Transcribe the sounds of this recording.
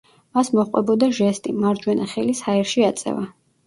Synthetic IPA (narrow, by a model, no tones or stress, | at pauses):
masmɔχqʼwɛ̰bɔd̪aʒɛst̪ʼimaɾd͡ʒwɛnaχɛlishaɛɾʃiat̪sʼɛ̰va